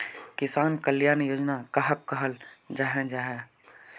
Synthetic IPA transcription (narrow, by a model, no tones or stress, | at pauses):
kɪsaːnkəljaːnjoːd͡ʒnakɐɦəkːəɦəld͡ʒaːɦɛ̃d͡ʒaːɦɛ